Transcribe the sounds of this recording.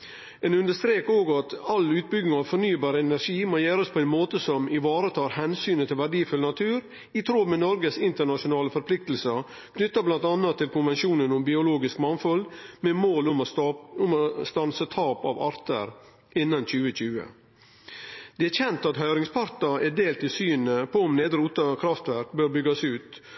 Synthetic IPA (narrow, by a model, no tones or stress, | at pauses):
ɛnʉnd̪əʂst̪ɾeːkoːɡɑt̪ɑlʉːt̪̚bʏɡnɪŋɑʋfɔɾnyːbɑːɾəɛnæɾʂiːmoːjæːɾəspʰɔɛɪnmoːt̪əsɔmɪʋɑːɾət̪ʰɑːɾhɛnsyːnət̪ʰɪlʋæɖiːfʉlnɑt̪ʰʉːɾ | it̪ʰɾoːmɛnɔɾɡəsɪnt̪əɳɑʂʊnɑːləfɔɾpʰlɪk̚t̪lsə | bnʏt̪ːəblɑnt̪ɑnɑt̪ʰːɪlkʰʊnʋɛnʃuːnənʊmbɪʊloːɡɪskmɑnfɔlmɛmoːlʊʊmɔst̪ɑnsət̪ʰɑːpɑ̰ʋɑ̰ɾt̪ə̰ɾ | ʔɪnːɑnt͡ɕʉːəc͡çʉːə̰ | d̪̥ɛæɾçɛnt̪ɑt̪hœʏɾɪŋspʰɑɾt̪ɑɛd̪eːlt̪ʰɪsyːnəpʰɔʊmneːd̪əɾuːt̪ɑkʰɾɑft̪ʋæɾkbøːɾbʏɡɑsʉːt̪